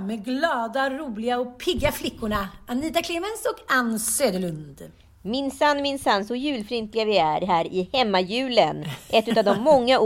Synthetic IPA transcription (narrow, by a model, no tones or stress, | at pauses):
mɛɡlɑːd̪aɾuːlɪɡaɔpʰɪɡːaflɪkːʊɳaaniːt̪akʰleːmɛnsɔkanːsøːd̪əɭɵnd̪ | mɪnsanːmɪnsanːsɔjʉ̟ːlfɾɪnt̪lɪɡavɪæɾɦæːɾɪhɛmːajʉ̟ːlənʔɛt̪ːʉ̟t̪avd̪ɔmːɔŋːaʔ